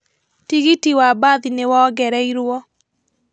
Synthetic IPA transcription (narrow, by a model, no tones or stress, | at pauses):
tiɣitiwabaðinewɔɡɛɾɛiɾwɔ